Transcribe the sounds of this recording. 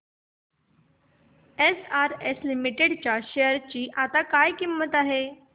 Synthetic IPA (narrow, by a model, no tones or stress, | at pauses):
esaɾeslimiʈeɽt͡ɕaɕejəɾt͡ɕiːʔat̪akajkimːət̪aɦe